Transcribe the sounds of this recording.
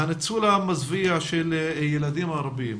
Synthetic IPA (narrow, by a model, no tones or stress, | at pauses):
anet͡sulamazviaʃeljelad̪imaɾˤbim